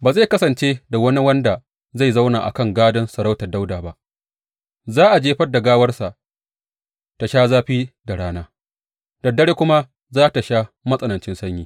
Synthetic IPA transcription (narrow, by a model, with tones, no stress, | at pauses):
baː˨za˦˨kɐ˦sɐ˨nt͡ʃe˦da˨wɐ˦ni˦wɐ˦nda˨ | za˦˨jza˦wnaː˨ʔa̰˨kɐ˦˨ŋɡaː˦dɐ˦nsɐ˨ɾa˦wtɐ˨rda˦wdaː˨ba˦˨ʔ | zaː˦ʔa˨d͡ʒeː˦ɸɐ˦rda˨ɡaː˦wɐ˦rsa˨ʔ | ta˨ʃaː˦zaː˦ɸiː˦da˨ɽaː˦naː˦ | d̥ɐ˨dːɐ˦ɽeː˦kʷʊ˦ma˦ | zaː˦ta˨ʃaː˦mɐ˦sʼɐ˨nɐ˨nt͡ʃɪ˦nsɐ˦ɲjiː˨